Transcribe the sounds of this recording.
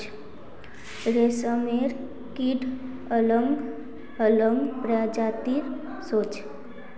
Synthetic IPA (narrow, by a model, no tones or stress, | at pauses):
ɾesəmeɾ | kiɖ | ələŋɡ | ələŋɡpɾad͡ʒat̪iɾ | sot͡ʃ